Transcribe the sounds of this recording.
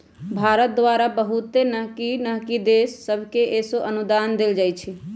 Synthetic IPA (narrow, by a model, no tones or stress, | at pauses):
bʱaɾət̪̚d̪waɾabəɦut̪ːenəɦkinəɦkid̪esːəbʱkeʔesoʔənud̪and̪eld͡ʒajt͡ʃʰi